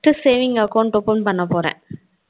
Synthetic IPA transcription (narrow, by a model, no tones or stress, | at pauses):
ʈːɯseːʋɪŋɡɐkɐʊɳʈɔpːoɳɖpɐɳːɐpoːɾɛ̰̃ː